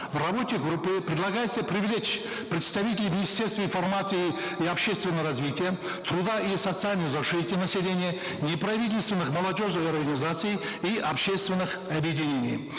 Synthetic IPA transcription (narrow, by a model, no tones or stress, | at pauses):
vrɐbo̞tʲɪɡɾupːɨpɾʲɪd̪lˠɐɡajɪt̪səpɾʲɪvlʲet͡ʃ | pɾʲɪt̪st̪ɐvʲitʲɪlʲɪmʲɪnʲisʲtʲe̞rst̪vəinfɐrmat̪sɨji | iɐpɕest̪vʲɪnːəjəɾɐzvʲitʲɪjə | t̪ɾud̪aʔisət̪sɨalʲnəjzɐʂɨt̪ʲɪnɐsʲɪlʲenʲɪjə | nʲɪpɾɐvʲitʲɪlʲst̪vʲɪnːɨχmɐlˠɐdʲo̞ʐnɨxɐrɡɐnʲɪzat̪sɨj | iʔɐpɕest̪vʲɪnːɨxɐbjɪdʲɪnʲenʲḭj